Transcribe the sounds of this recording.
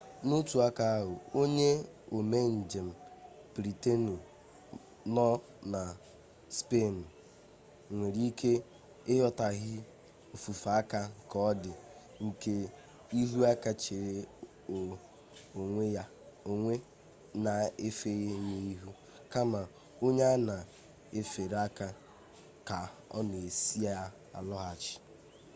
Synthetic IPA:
no˦tu˨a˦ka˨a˦ɦʊ˨o˦ɲe˦ | o˨me˦n̩˨d͡ʒe˨m̩˨pɾi˨te˦nu˨ | nɔ˦ | na˨ | spe˦˨n̩˨ | ŋʷe˨ɾi˦kʰe˦ | ɪ˦ɦɔ˦ta˨ɦɪ˦ | o˨fu˨fa˨a˦ka˦ŋ̩˨kɔ˦dɪ˨ | ŋ̩˨ke˦ | i˦ɦu˦a˦ka˦t͡ʃe˨ɾe˨ | o˨ŋʷe˦ja˦ | o˦ŋʷe˦ | na˨e˦fe˦ɣe˦ne˦i˦ɦu˦ | ka˦ma˨ | o˦ɲa˦a˦na˨ | e˦fe˨ɾa˦ka˦ | ka˨ɔ̰˦ne˨e˨si˦a˦ | a̰˨lɔ˦ɣa˨t͡ʃɪ̥˨

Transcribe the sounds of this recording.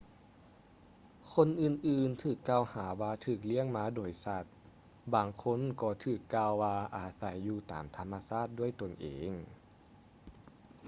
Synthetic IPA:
kʰo˧˥˨nʔɯː˨˩nʔɯː˨˩nt̪ʰɯː˧˩kːaː˧whaː˩˦waː˧t̪ʰɯː˧˩k̬̚li˧˥˩əŋmaː˧˥doː˨˩jsa˧˩t̪̚ | baː˨˩ŋkʰo˧˥˨nkɔː˧˩t̪ʰɯː˧˩kːaː˧wːaː˧ʔaː˨˩sa˧˦jːuː˧˩t̪a̰ː˨˦mt̪ʰa˧mːa˧saː˥˩t̪̚du˥˩əjt̪o˨˩nʔḛː˨ŋ

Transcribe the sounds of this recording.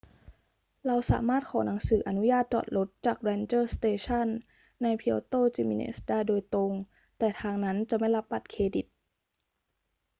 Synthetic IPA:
ɾa˧wsa̰ː˩˦maː˥˩t̪̚kʰɔː˨˩˦na˩˦ŋsɯː˩˦ʔa˧nu˦˥jaː˥˩t̪̚t͡ɕɔ̰ː˨˩t̪̚lo˦˥t̪̚t͡ɕaː˨˩k̚ɾɛː˧nt͡ɕɤː˥˩st̪eː˧t͡ɕʰa˥˨nː | a˧jpʰi˧t̪oː˥˩t͡ɕi˧˩mḭ˧nʔḛː˦˥˩sdaː˥˩jdoː˧jt̪o˧ŋ | t̪ɛː˨˩t̪ʰaː˧ŋna˦˥nt͡ɕa˨˩ma˥˩jla˦˥pːa˨˩t̪̚kʰeː˧di˨˩t̪̚

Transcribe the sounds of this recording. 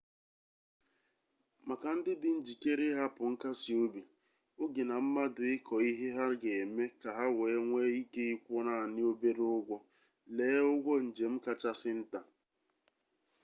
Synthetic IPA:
ma˨ka˨n̩˦dɪ˦dɪ˨n̩˦d͡ʒi˨ke˦ɾɪ˦ɦa˦pʊ˨ŋ̩˦ka˦si˨o˦bi˨ | ʊ˦ɡi˨na˨m̩˦ma˦dʊ˨ɪ˦kʰɔ˨i˦ɦe˦ɦa˦ɡe˨me˦ka˨ɦa˦weː˨˦ŋʷe˦i˦ke˦i˦kʷɔ˦na˨nɪ˦o˦be˦ɾʊ˦ɡʷɔ˦ | leː˦ʊ˦ɡʷɔ˦n̩˨d͡ʒe˨m̩˦ka˦t͡ʃa˦sɪ˦n̩˦ta˨

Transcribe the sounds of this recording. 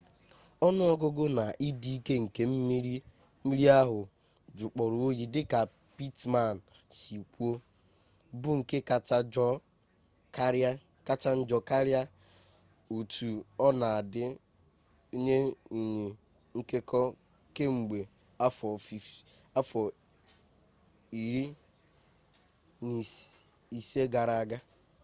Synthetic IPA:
ɔ˦nʊ˦ɔ˦ɡʊ˦ɡʊ˦na˨ʔi˦di˦i˦ke˦ŋ̩˨ke˦m̩˦mi˦ɾi˦ | mi˦ɾi˦a˦ɦʊ˨ | d͡ʒʊ˨k͡pɔ˨ɾʊ˨o˦ji˨dɪ˦ka˨ | pi˦tma˨n̩˨ | si˨kʷu˦o˦ | bʊ˦ŋ̩˨ke˦ka˨t͡ʃa˦d͡ʒ | kɾa˦ | ka˦t͡ʃa˦n̩˦d͡ʒɔ˦ka˦ɾja˦ | u˨tʰu˨ɔ˦na˨a˨dɪ˦ | o˦ɲe˦i˨ɲe˨ | ŋ̩˦ke˦kɔ˦ | ke˦ŋ͡m̩˨ɡ͡be˨ | a˦fɔ˨f | a˦fɔ˨ | i˨ɾi˦ | ni˨ | i˨se˦ɡa˨ɾa˨a˨ɡa˦

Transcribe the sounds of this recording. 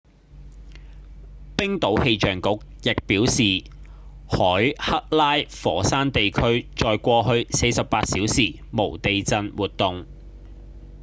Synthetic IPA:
pɪ˥ŋt̪o˨˥whe˧jt͡ʃœː˨˩ŋkʊ˨˥k̚jɪ˨k̚piː˨˥wsiː˨ | hɔː˨˥jhɐ˥k̚laː˥jfɔː˨˥saː˥nt̪e˨jkʰɵ˥ɥt͡ʃɔː˨˧jkʷɔː˧ɦɵ˧ɥse˧jsɐ˨p̚ːaː˧t̚siː˨˥wsiː˨˩ | mo˨˩wt̪e˨jt͡sɐ˧nwuː˨t̚t̪ʊ˨ŋ

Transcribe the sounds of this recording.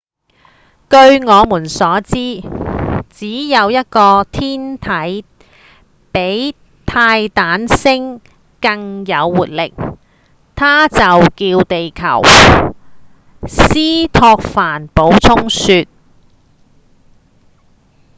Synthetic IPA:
kɵ˧ɥŋɔː˨˧muː˨˩nsɔː˨˥t͡siː˥ | t͡siː˨˥jɐ˨˧wjɐ˥t̚kɔː˧t̪ʰiː˥nt̪ʰɐ˨˥j | pe˨˥j | t̪ʰaː˧jt̪aː˨˥nsɪ˥ŋ | kɐ˧ŋjɐ˨˧wːuː˨˩t̚lɪ˨k̚ | t̪ʰaː˥t͡sɐ˨wkiː˧wt̪e˨jkʰɐ̰˨˩w | siː˥t̪ʰɔː˧k̚faː˨˩npo˨˥wt͡sʰʊ˥ŋsyː˧t̚

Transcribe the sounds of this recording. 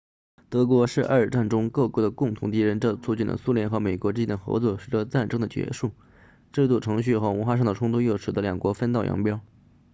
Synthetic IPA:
t̪ɤ˧˥kwɔ˧˥ʂɻ̩˥˧ʔa̰˞˥˧˩ə˞˨˩ʈ͡ʂa˥˩nʈ͡ʂʊ˥ŋkɤ˥˩kwɔ˧˥d̪ə˨˩kʊ˥˩ŋt̪ʰʊ˧˥ŋt̪̬i˧˥ɻə˧˥nʈ͡ʂɤ˥˧t͡sʰu˥˧t͡ɕi˥˩nd̪ə̰˩su˥ljɛ˥nxɤ˧˥me˨˩ɪkwɔ˧˥ʈ͡ʂɻ̩˥t͡ɕi˥nd̪ə˨xɤ̰˧˥t͡swɔ˥˩ʂɻ̩˨˩ʈ͡ʂɤ˧t͡sa˥˩nʈ͡ʂɤ˥ŋd̪ə˨˩t͡ɕɥɛ̰˧˥ʂu˥˩ | ʈ͡ʂɤ˥˧i˥t͡swɔ˥˩ʈ͡ʂʰɤ˧˥ŋɕ̬y˥˩xɤ˧˥wnxwa˥˧ʂɑ˥˩ŋd̪ə˩ʈ͡ʂʰʊ˥ŋt̪ʰu˥jo˥˩ʊʂɻ̩˨˩d̪ə˦ljɑ˨˩ŋkwɔ˧˥fə˥nt̪ɑ˥˩ʊjɑ̰˧˥ŋpjɑ˥ʊ

